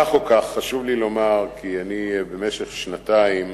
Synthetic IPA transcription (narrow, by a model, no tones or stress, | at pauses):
aχokaχːaʃuvlilo̞maʁkianibeme̞ʃeχʃnataim